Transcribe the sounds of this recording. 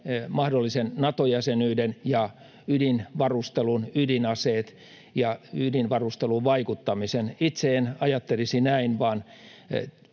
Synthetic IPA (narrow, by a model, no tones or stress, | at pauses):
mɑhdolːisennɑt̪ojæsenyːdenjɑ | ydinʋɑrust̪elunydinɑseːt̪ | jɑydinʋɑrust̪eluʋʋɑikut̪ːɑmisenit̪seːnɑjɑt̪ːelisinæinʋɑːn